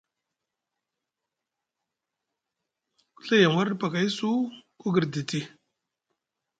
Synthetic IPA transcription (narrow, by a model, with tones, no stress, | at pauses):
ku̥˦ɬa˦ja˨m˨wa˦ɾdpa˨ka˨ji˦su˦ku˦ɡi˨ɾdi˨ti˦